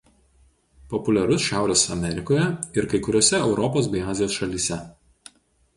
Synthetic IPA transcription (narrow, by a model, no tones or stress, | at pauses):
pɔpʊlʲɛɾʊsʃʲæˑʊɾʲeːsɐ̰mʲɛɾʲɪkoːjɛɪɾkɐɪkʊɾʲoɔsʲɛɛʊɾɔpoːsbʲɛɪɑːzʲɪjoːsʃɐlʲiːsʲɛ